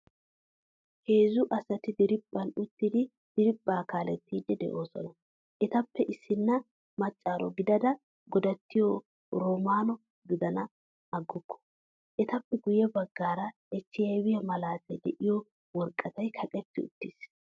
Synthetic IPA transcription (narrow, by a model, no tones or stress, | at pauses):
heːzʊʔɐsɐt̪ɪd̪ɪɾɪbʼːɐnʊt̪ːɪd̪ɪ | d̪̥ɪɾɪbːaːkaːlɛt̪ːiːd̪ːɛd̪ɛ̰ʔo̞ːsɔ̰nɐ | ʔɛt̪ɐpːɛʔɪsːɪnːɐ | mɐt͡ʃʼːaːɾɔɡɪd̪ɐd̪ɐ | ɡɔd̪ɐt̪ːɪjɔ | ɾoːmaːnɔ | ɡɪd̪ɐnɐ | ɐɡːʊkːɔ̥ | ʔɛt̪ɐpːɛɡʊjɛbɐɡːaːɾɐ | ɛt͡ʃːɪjɐjwɪjɐmɐlaːt̪ɛd̪ɛʔɪjɔ | wɔɾkʼːɐt̪ɐjkʰɐkʼɛt̪ːɪʊ̰t̪ːis